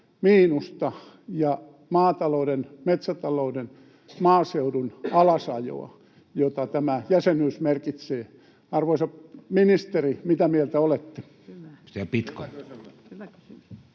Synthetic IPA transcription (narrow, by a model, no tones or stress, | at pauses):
miːnust̪ɑ | jɑ | mɑːt̪ɑloudenmet̪sæt̪ɑlouden | mɑːseudunɑlɑsɑjo̰ɑ̰ | jot̪ɑt̪æmæjæsenyːsmerkit̪seː | ɑrʋoisɑminist̪erimit̪æmielt̪æolet̪ːe̥ | sepit̪ko̰